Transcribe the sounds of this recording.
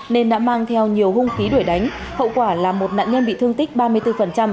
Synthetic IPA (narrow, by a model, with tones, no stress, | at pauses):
ne˧nɗa̰ː˧˥maː˧ŋt̪ʰɛ˧wɲi˨˩əwɦʊ˧ŋ͡mxi˨˦ɗu˧˩əjɗa˨˦jŋ̟ | hə̰˧˨wkwaː˧˩laː˨˩mo˨˩t̚na̰ː˧˨nɲə˧nɓḭ˧˨t̪ɨ˧əŋt̪ï˦˥k̟̚ɓaː˧mɨ˧əjt̪ɨ˧fə˨˩nt͡ɕa˧m